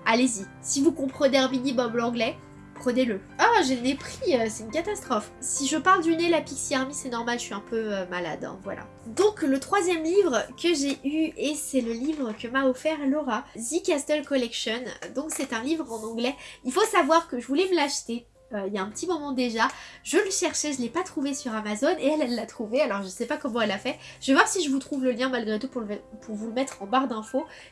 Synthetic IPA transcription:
alezi | sivukɔ̃pχəneɛ̃vid̪ibɔblɑ̃ɡlɛ | pχəneləaʒelnepχiøsɛt̪ynkat̪ast̪χɔfsiʒəpaʁld̪ynelapiksiaʁmisɛnɔʁmalʃɥiɛ̃pøømala̰d̪ɛ̰̃vwa̰lʔa̰ | d̪ɔ̃klət̪χwazjɛmlivʁəkəʒeʔyesɛləlivʁəkəmaɔfɛʁlɔʁazikʲast̪ɛlkɔlɛkʃɔnd̪ɔ̃ksɛt̪ɛ̃livʁɑ̃nɑ̃ɡlɛilfosavwaʁkəʒəvulɛvulaʃt̪e | øijaɛ̃pət̪imɔmɑ̃d̪eʒaʒəələʃɛʁʃeʒəlɛpat̪χuvesyʁamazoneɛlɛlːat̪χuvealɔʁʒəsɛpakɔmɑ̃ɛlafɛ | ʒəvevwaʁsiʒəvut̪χuvləljɛ̃malɡʁet̪upuʁlpuʁvuləmɛt̪χɑ̃baʁd̪ɛ̃fo

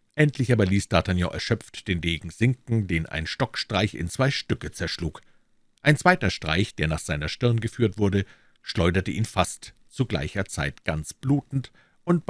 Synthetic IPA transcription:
ʔɛntʰlɪçaːbɐliːsd̥aːtʰanjɔ̰ːʔɛ̰ɐʃœp͡ftd̥eːndeːɡŋ̩z̥ɪŋkŋ̩deːnʔa̰ɪnʃtɔkʃtʁ̥aɪçɪ̰nt͡sv̥aɪʃtʏkət͡sɛɐʃluːk | ʔaɪnt͡sv̥aɪtɐʃtʁ̥a̰ɪçd̥eːɐnaːχz̥aɪnɐʃtɪʁɐnɡəfyːɐtv̥ʊɐdə | ʃlɔʏdɐtəʔiːnfast | t͡suɡla̰ɪçɐt͡sa̰ɪtɡ̥ant͡sb̥luːtn̩t | ʔʊnt

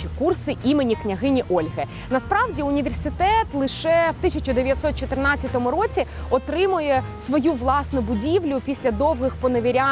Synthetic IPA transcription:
ikursɪʔimenʲiknʲɐɦɪnʲiʔɔlʲɦɛ | nɐspɾɑʋdʲiʊnʲiʋʲersɪt̪ɛt̪lˠɪʃɛwt̪ɪsʲɐt͡ʃɔd̪eʋʲjɐt̪sɔt̪̚t͡ʃɔt̪ɪrnɑt͡sʲːɐt̪ɔmʊɾɔt͡sʲiɔt̪ɾɪmʊjɛsʋɔjuʋlˠɑsnʊbʊdʲiʋlʲʊpʲisʲlʲɐd̪ɔwɦɪxpɔnɐʋʲiɾʲa

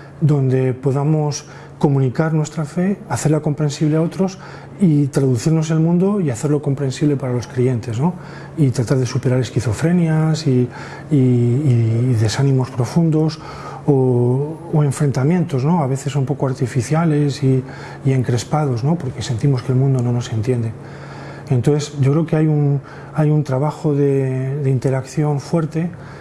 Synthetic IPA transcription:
d̪o̞nd̪e̞po̞ðamo̞s | ko̞mũnikaɾnwe̞st̪ɾafe̞aθelako̞mpɾe̞nsiβleao̞t̪ɾo̞s | it̪ɾaðuθiɾno̞s̬e̞lmũnd̪o̞iaθe̞ɾlo̞ko̞mpɾe̞nsiβle̞paɾalo̞skɾie̞nt̪e̞zno̞ | it̪ɾat̪aɾð̞esupe̞ɾaɾe̞skiθo̞fɾe̞njasiː | ðesanĩmo̞spɾo̞fund̪o̞s | oː | e̞ɱfɾe̞nt̪amje̞nt̪o̞zno̞aβ̞e̞θe̞sumpo̞koaɾt̪ifiθjale̞si | ie̞ŋkɾe̞spað̞o̞zno̞po̞ɾke̞se̞nt̪imo̞skelmũnd̪o̞nõ̞no̞se̞nt̪je̞nd̪e | ent̪oθesɟ͡ʝo̞kɾe̞oke̞ajun | ajunt̪ɾaβ̞axo̞ðe̞ðe̞int̪e̞ɾakθjo̞ɱfwe̞ɾt̪e̞

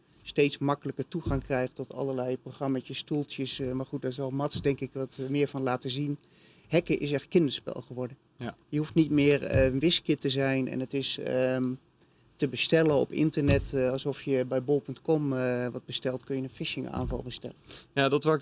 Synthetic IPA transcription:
stejtsmɑkələkətuɣaŋkrɛjχtɔtɑ̰lˠərlɛjproχrɑmatjəstulˠtjəsmaɹχut̚dɔtɪsɔlˠmɑtsdɛŋkɪkʋɑtmɪːɹvɑnlaːtəzin | ɦɛkəʔɪs̬ɛxkːɪndəspɛ̰lˠχəʋɔɹdə | jəɦuftnitmɪːərənʋɪskjətəzɛjnɛ̰nətɪsə | təbəstɛlənɔ̰pɪ̰ntərnɛtɑlˠsɔfjəbɛjbolˠpɵntkɔmʋɑd̚bəstɛlˠtkɵnjənənfɪʃɪŋʔa̰ːnvɑ̰lˠbəstɛ̰lənjadɔtʋa

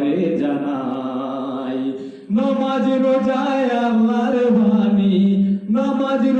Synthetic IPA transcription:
ɾed͡ʒana | i | nãmad͡ʒiɾod͡ʒajamaɾbaninamãd͡ʒiɾ

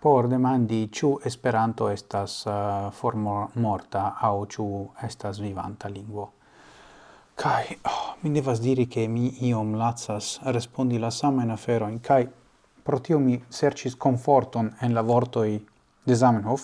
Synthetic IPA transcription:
po̞ɾd̪e̞mand̪it͡ʃuespe̞ɾant̪o̞e̞stasfoɾmomoɾtaːwt͡ʃuestas̬viva̰ntaliŋɡvo̞ | kʰajomid̪evas̬diɾike̞miio̞mlat͡sasɾespo̞nd̪ilasamajnafeɾo̞jnkʰaj | pɾo̞t̪iomiseɾt͡ʃisko̞ɱfo̞ɾt̪o̞nenlavoɾt̪o̞j | d̪e̞zamenhof

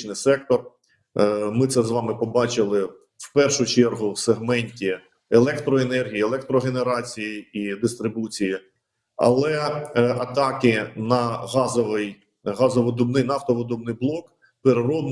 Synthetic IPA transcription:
t͡ʃnɪjsɛk̚t̪ɔr | mɪt̪sɛzʋɑmɪpɔbɑt͡ʃɪlˠɪ | wpɛrʃʊt͡ʃɛrɦʊwseɦmɛnʲtʲi | elˠɛkt̪ɾɔenɛrɦʲijielˠɛk̚t̪ɾɔɦeneɾɑt͡sʲijiid̪ɪst̪ɾɪbut͡sʲiji | ɐ̰lˠɛɐt̪ɑkɪnɐɦɑzɔʋɪj | ɦɑzɔʋɔd̪ɔbnɪjnɑft̪ɔʋɔd̪ɔbnɪjblˠɔk | peɾeɾɔd̪n

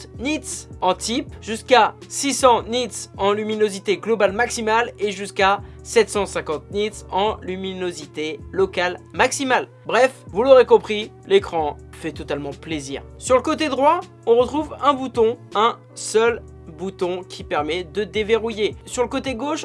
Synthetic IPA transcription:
nit̪sɑ̃t̪ipʒyskasisɑ̃nit̪sɑ̃lyminozit̪eɡlɔbalmaksimaleʒyskasɛt̪sɑ̃sɛ̃kɑ̃t̪̚nit̪sɑ̃lyminozit̪elɔkalmaksimal | bʁɛfvuloʁekɔ̃pχi | lekχɑ̃ | fɛt̪ɔt̪almɑ̃plezḭːʁsyʁləkot̪ed̪ʁwa | ɔ̃ʁət̪χuvɛ̃but̪ɔ̃ɛ̃ | sœl | but̪ɔ̃kʲʰipɛʁmɛd̪əd̪eveʁujesyʁləkot̪eɡoʃ

